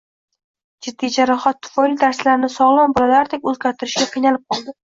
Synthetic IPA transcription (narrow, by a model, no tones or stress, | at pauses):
d͡ʒɪd̪ːijd͡ʒaɾaχɒt̪ʰːʊ̥fɒɪld̪aɾsɪlaɾnɪsɒʁlˠɒnbɒlalaɾd̪ek̚ʲɵzɡʲaɾt̪ʰɪɾɪʃɡʲaqʰɨjnalɪp̚qʰɒlˠd̪ɪ